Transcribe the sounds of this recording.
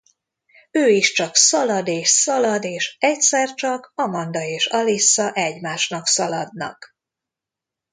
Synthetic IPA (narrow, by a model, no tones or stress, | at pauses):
øːiʃt͡ʃɒksɒlɒd̪eːʃsɒlɒd̪eːʃɛcsɛrt͡ʃɒkɒmɒnd̪ɒeːʃɒlisːɒʔɛɟmaːʃnɒksɒlɒd̪̚nɒ̰k